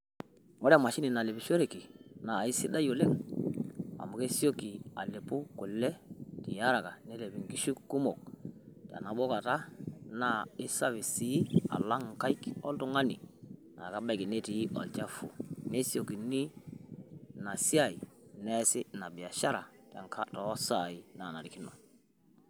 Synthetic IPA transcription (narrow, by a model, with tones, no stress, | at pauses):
wo˦ɾma˨ʃi˦ni˨na˨le˨bi˨ʃo˦ɾe˨ki˨na˨i˦si˦da˦jo˨le˦k | a̰˨mu˨ke˦si˦o˦ki˨a̰˨le˨pu˦ku˨lːɛ˦ti˨ja˦ɾa˨ka˨ne˦le˨bi˨ŋki˦ʃu˦ku˦mo˨k̚ta̰˨na˨bo˦ka˨ta˦na˦ɪ˦sa˦βi˨si˨˦a̰˨la˦ŋ˨ka˦i˦kɔ̰˦ltu˦ŋa˦ni˨na̰˨ka˦ba˦˨ki˨ne˦ti˨˦ʔɔ̰˨lt͡ʃa˦fṵ˨ne˦si˦o˨ki˨ni˦ | na˨si˦a˨i˨nɛ˦sɪ˦na˨bi˨ja˨ʃa˦ɾa˨ta̰˨ŋkʰa˦tɔ˨˦sa˨i˨na˨na˨ɾi˨ki˦no̰˨